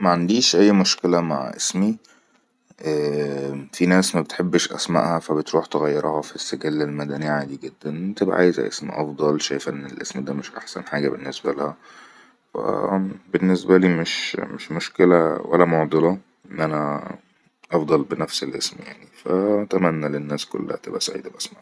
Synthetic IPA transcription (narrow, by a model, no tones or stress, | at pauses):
mæʕand̪iːʃʔæjːmoʃkelæmaʕʔesmi | ʔæːfinæːsmæbet̪ħebːʃʔæ̰smæ̰ʔhæfæbet̪ɾuːħt̪eɣæjːɑɾˤɑhɑfisːeɡælːælmæd̪æniʕaːd̪iɡed̪ːænʔent̪ebʔæ̰ʕa̰ːjezæ̰ʔḛsmḭʔɑfd̪ˤɑlʃæjfʔenːelʔesmd̪æːmeʃʔa̰ħsæ̰nħaːɡæbenːesbælæhæ | wæ̰benːesbæliːmeʃmeʃmoʃkelæwæ̰lːæmoʕd̪ˤelɑ | enːʔænæ | ʔɑfd̪ˤɑlbenæfselʔesmijaʕnifæ̰t̪æmænːælenːæːsko̰lːæ̰hæt̪ḛbʔæsʕḭːd̪æbʔæsmaʕ